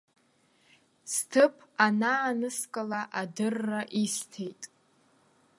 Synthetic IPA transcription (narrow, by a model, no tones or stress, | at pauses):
stʰɨpʰanaːnɨskʼalaʔadɨrːaʔistʰe̞jtʼ